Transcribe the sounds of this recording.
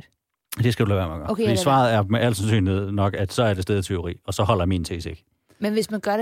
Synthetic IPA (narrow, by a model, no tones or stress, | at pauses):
d̥e̝sɡ̥æd̥ulæːʋæɐmæɡ̥ɶfɔd̥isʋɑ̰̈ːð̞̩ˠæɐmeʔæl̰̥sænsy̰ːnihe̝ð̰ˠnɒ̽ɡ̥æd̥sɒ̽æɐd̥e̝sd̥eːðˠət͡sʰe̝o̝ʁḭːɒ̽sɒ̽hɒ̽l̰ɐmiːnt͡sʰe̝̰seɡ̥ | menʋesmænɡ̥ɶɐ